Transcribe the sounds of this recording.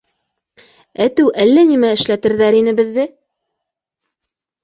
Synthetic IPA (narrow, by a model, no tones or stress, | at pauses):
æt̪ɘwʔælːænimæɘ̆ʃlæt̪ɘ̆ɾðæɾinɘ̆bɘ̆ðːɘ